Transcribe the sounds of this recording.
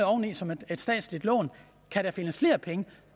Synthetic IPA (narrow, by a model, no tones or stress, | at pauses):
ɒʊnisɒ̽med̥ed̥sd̥ɛ̰ːd̥slid̥lɔ̰ːn | kʰæɾ̥æfe̝nəsfle̝ːɐpʰeŋə